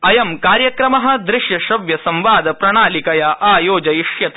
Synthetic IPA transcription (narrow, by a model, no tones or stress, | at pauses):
ɐjɐmkaːɾjɐkɾɐmɐɦɐ̆d̪ɾɪʂjɐʃɐʋjɐsɐ̃mʋaːd̪ʱɐpɾɐɳaːlikɐjɐʔaːjoːd͡ʒɐjiʂjɐt̪